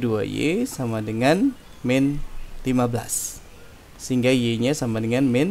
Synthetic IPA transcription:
dua̰jḛsamadəŋan | mɛnlimabəla̰s | səiŋɡaijeɲasamadəŋanmɛn

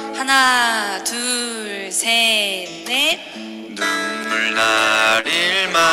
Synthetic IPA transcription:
hanatɯ | ɭsʰe | de | nɯmɯɭnaɾiɭma

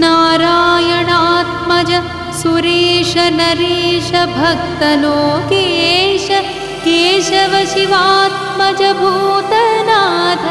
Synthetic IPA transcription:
naːɾaːjɐɳaːt̪̚mɐd͡ʒɐ | suɾiːʂɐnɐɾiːʃɐbʱɐk̚t̪ɐnoːkeːʃɐ | keːʃɐʋɐʃiʋaːt̪̚mɐd͡ʒɐbʱuːt̪ɐnaːt̪ʰɐ

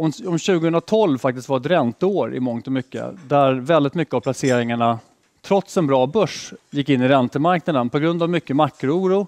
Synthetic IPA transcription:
ɔmɔmɕʉ̟ːɡəhɵnɾat̪ʰɔlvfakt̪ɪst̪vaɾɛt̪ɾɛnt̪əoːɾɪ̰mɔŋt̪ɔmʏkːə̰d̪æɾvɛld̪ɪt̪mʏkːəavpʰlaseːɾɪŋaɳa | t̪ʰɾɔt̪sɛnbɾɑːbœʂjɪkːɪnːɪɾɛnt̪əmaɾknad̪ənpʰɔɡɾɵnd̪avmʏkːəmakːɾʊuːɾu

